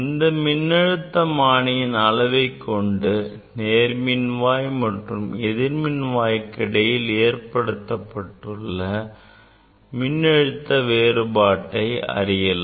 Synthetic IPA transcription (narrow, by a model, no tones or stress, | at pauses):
ɪnd̪ɐmɪnːɛɻɯt̪ːɐmaːɳɪjɪnɐlɐʋɐɪkːɔɳɖɯ | neːɾmɪnʋaːjmɐʈrɯmɛðɪɾmɪnʋaːjkːɐɽɐjɪleːɾpɐɽɯt̪ːɐpːɐʈːɯɭːɐ | mɪnːɛɻɯt̪ːɐʋeːrɯbaːʈːɐɪɐ̰rɪjɐlɐ